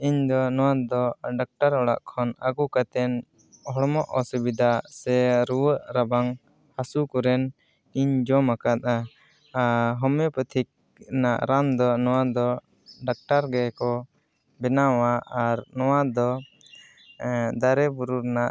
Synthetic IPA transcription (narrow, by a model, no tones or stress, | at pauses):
iɲd̪ɔnɔwad̪ɔɖak̚ʈaɾɔɽa̰ʔkʰɔnaɡukat̪ɛn | hɔɽmɔʔɔsubid̪ʱasɛɾuwəʔɾabaŋ | hasukɔɾɛn | iɲd͡ʒɔmakat̪̚a | ɦɔmɛpət̪ʰik̚ | naʔɾand̪ɔnɔwad̪ɔ | ɖak̚ʈaɾɡɛkɔ | bɛnawaʔaɾnɔwad̪ɔ | d̪aɾɛbuɾuɾnaʔ